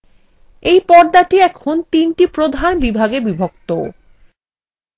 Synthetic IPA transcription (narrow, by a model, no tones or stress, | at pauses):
ejpɔɾd̪aʈiɛkʰont̪inʈipɾod̪ʱanbibʱaɡebibʱok̚t̪o